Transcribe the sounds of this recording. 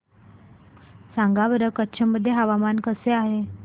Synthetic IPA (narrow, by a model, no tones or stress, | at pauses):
sãŋɡaʋəɾəkətːt͡ɕʰaməd̪ʱːjeɦaʋamankəseaɦe